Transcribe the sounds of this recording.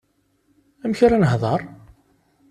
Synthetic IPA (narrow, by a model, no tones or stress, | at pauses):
æmçɾænəhðˤɑɾˤ